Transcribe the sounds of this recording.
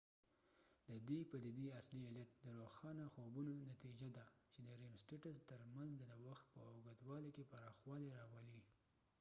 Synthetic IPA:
d̪əd̪ipad̪id̪iaslieljat̪̚d̪əɾoxɑnaxobunonat̪id͡ʒad̪at͡ʃed̪əɾemsʈeʈast̪əɾmanzd̪əawaxt̪̚pəaɡad̪wɑlekepaɾɑxwɑleɾɑwali

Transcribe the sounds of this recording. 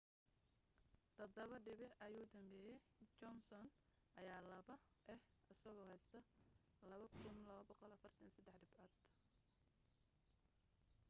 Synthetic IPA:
d̪̥ɐd̪ɐβɐɖɪβɪʔɐjuːd̪ɐmbɛːjɛj | t͡ʃɔnsɔn | ʔɐjaːlɐβɐ | ʔɛhɐsɐɣɔhɛjst̪ʰɐ | lɐβɐkʰʊnlɐɐbɑqɔlɐfɐrt̪ʰɐnsɐd̪ɛħɖɪbʕaːd̪

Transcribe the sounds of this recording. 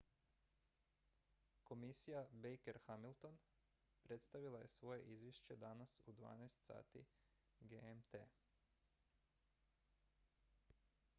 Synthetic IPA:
ko̞misijabejkeɾxamilt̪o̞n | pɾe̞t̪st̪aʋilˠaje̞sʋo̞je̞̰ʔizʋjeʃt͡ɕe̞d̪anasud̪ʋa̰ːnɛjst̪sa̰ːt̪ḭ | ɡeemt̪ḛː

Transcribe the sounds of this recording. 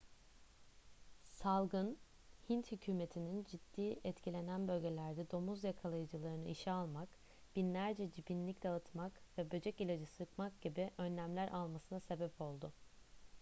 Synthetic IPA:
salˠɡɯn | hint̪hycʰyːme̞t̪ʰinind͡ʒid̪̥ːiːɛt̪cʰilʲe̞nænbø̞lʲɟe̞lʲæɾd̪ɛd̪o̞muzjakʰalˠajɯd͡ʒɯlˠaɾɯnɯiʃialˠmak | b̥inlʲæɾd͡ʒɛd͡ʒibinlʲicd̪aɯt̪makvɛbø̞d͡ʒɛcilʲed͡ʒɛsɯɾkmak̚ɟ̥ibiʔø̞nːʲæmlʲæɾʔalˠmasɯnase̞bɛpʰo̞lˠd̪ʊ

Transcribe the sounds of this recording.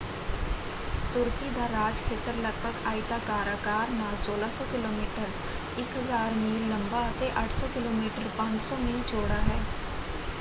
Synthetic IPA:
t̪ʊɾkid̪aːɾaːd͡ʒkʰeːt̪əɾləɡ̚pəkʰaːit̪akaːɾaːkaːɾnaːsoːlaːsɔːkɪloːmiːʈəɾ | ɪkɦəzaːɾmiːlːəmbat̪eʔəʈʰsɔːkɪloːmiːʈəɾpãɲd͡ʒsɔːmiːlt͡ʃoːɽaːɦɛː

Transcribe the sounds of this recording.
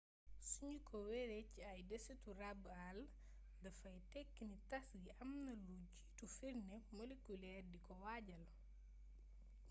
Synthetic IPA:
suɲukʰɔwɛɾecːiɐjdɛseturabal | dɐfɐjtɛkːinitɐsɡiʔɐmnɐluɟitufiɾnɛmolekulɛːrdikɔwaɟɐl

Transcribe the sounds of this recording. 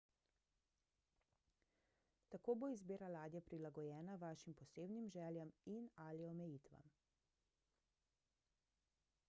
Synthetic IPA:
t̪akoːboizbeːɾalaːd̪jɛpɾilaɡɔjɛːnaʋaːʃimpɔseːbnimʒɛːljɛminaliɔmɛjiːt̪ʋa̰m

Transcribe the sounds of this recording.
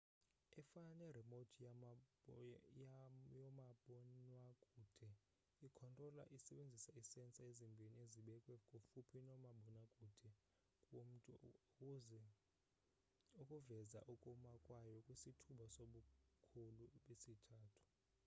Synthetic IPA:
ɛfananɛrɛmodʰi | jɔmaɓɔnwakʼud̥ʱɛ | ikʰɔntʼrɔla̰ʔisɛɓend͡zʱisaisɛnt͡sʼaezimbʱinieziɓɛkʼwɛkʼofupʰinɔmaɓɔnakʼuːd̥ʱɛ | kʼwom̩tʼu | zɛ | okʼuvɛza̰ʔukʼumakʼwajɔkʼwisitʰuɓasoɓukʰuluɓesitʰaːtʰu̥

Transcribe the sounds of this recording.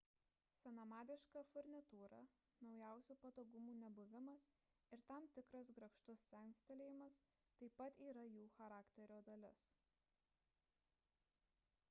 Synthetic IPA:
sʲɛnɐmɑːd̪ʲɪʃkɑfʊɾʲnʲɪt̪uːɾɐ̰ | nɒʊjæˑʊsʲuːpɐt̪oːɡʊmuːnʲɛbʊʋʲɪmɐs | ɪɾt̪ɑmt̪ʲɪkɾɐs̬ɡɾɐkʃt̪ʊsːʲɛŋsʲt̪ʲɛlʲeːjɪmɐst̪ɐɪpɐt̪iːɾɐjuːxɐɾɑːkt̪ʲɛɾʲoːd̪ɐlʲɪs

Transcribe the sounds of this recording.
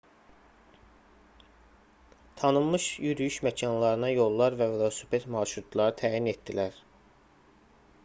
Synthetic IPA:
t̪ʰɑnɯmmɯʃjyɾyjyʃmæcʰɑnlˠɑɾɯnɑjo̞lˠːɑɾvævlˠɑsypet̪mɑːʃɾut̪ʰlˠɑɾɯt̪ʰæːjinet̪d̪ilæɾ

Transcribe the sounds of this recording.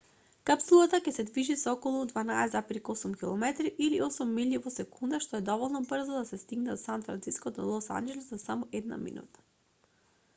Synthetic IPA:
kapsulˠat̪akʲɛsɛd̪viʒisɔkɔlˠud̪vanaɛzapɾikɔsumkʲilˠɔmɛt̪ɾiʔiliɔsumːilivɔsɛkund̪aʃt̪ɔɛd̪ɔvɔlˠnɔbr̩zɔd̪asɛst̪iɡnɛɔt̪sant̪fɾant̪siskɔd̪ɔlˠɔsa̰nd͡ʒɛlɛsasamɔʔɛd̪na̰mḭnṵt̪ḁ

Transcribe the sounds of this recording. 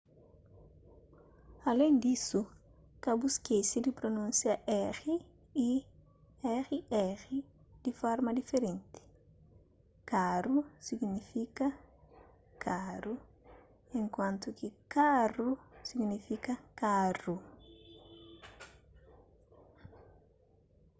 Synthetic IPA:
alẽnd̪isu | kabuskejsɪd̪ɪpɾonũnsjaʔɛɣi | i | ɛxiɛɣi | d̪̥ɪfɔɾmɐd̪ifeɾẽnt̪ɪ̥ | kaɾusiɡnifikɐ | kʰaɾu | ẽŋkwãnt̪ʊkɪkarusiɡnifikɐkaru

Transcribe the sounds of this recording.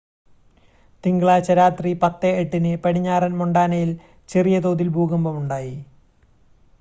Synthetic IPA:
t̪iŋɡɐɭaːt͡ɕɐɾaːt̪ripɐt̪ːeeʈːinɨpɐɽiɲːaːrɐnmoɳɖaːnɐjil | t͡ɕerijɐt̪oːd̪ilbʱuːɡɐmbɐmuɳɖaːji

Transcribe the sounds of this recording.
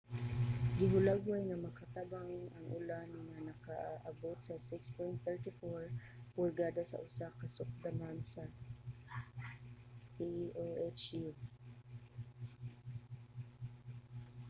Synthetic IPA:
ɡɪɦʊlaɡwajnɐmɐkat̪abaŋnɐŋʔʊ̰lanaŋmanɐkaʔʔɐbot̪̚sɐsɪkspɔjnt̪θɛɹt̪ɪfɔɹ | pʊɹɡad̪asɐ̰ʔʊsakɐsʊk̚d̪anansɐ | pioʔɛt͡ʃju

